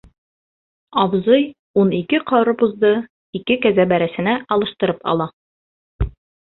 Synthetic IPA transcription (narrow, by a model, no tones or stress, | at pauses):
ɒbzɤj | unikɘqɑɾɤbuzd̪ɤ | ikɘkæzæbæɾæsɘ̆næʔɒlˠɤ̆ʃt̪ɤ̆ɾɤpɑ̰lˠɑ